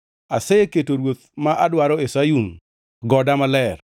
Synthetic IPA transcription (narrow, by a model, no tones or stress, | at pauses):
aseketoɾwot̪̚maʔadwaɾɔesajuŋ | ɡɔdamalɛr